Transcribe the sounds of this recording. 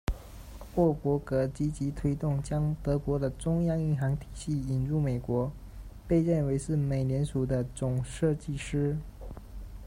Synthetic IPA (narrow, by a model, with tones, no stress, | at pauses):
wɔ˥˩kwɔ˧˥kɤ˧˥t͡ɕi˥t͡ɕi˧˥t̪ʰwe˥ɪt̪ʊ˥˩ŋt͡ɕjɑ˥ŋt̪ɤ˧˥kwɔ˧˥d̪ə˧ʈ͡ʂʊ˥ŋjɑ˥ŋi˥˩nxɑ˧˥ŋt̪ʰi̥˨˩ɕi˥˩i˨˩nɻu˥˩me˨˩ɪkwɔ˧˥ | pe˥˧ɪɻə˥˩nwe˧˥ɪʂɻ̩˥˩me˨˩ɪnjɛ˧˥nʂu˨˩d̪ə˦t͡sʊ˨˩ŋʂɤ˥˧t͡ɕi˥˩ʂɻ̩˥